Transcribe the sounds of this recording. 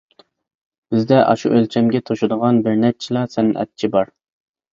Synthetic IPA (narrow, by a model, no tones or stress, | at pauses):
b̥ɪzd̪ɛʔɑ̰ʃuʔølt͡ʃʰɛmɡʲɛt̪ʰoʃud̪əʁɑnbɪɾnɛt͡ʃʰilˠɑsɛnɪnʔɛ̰t̪̚t͡ʃʰibɑɾ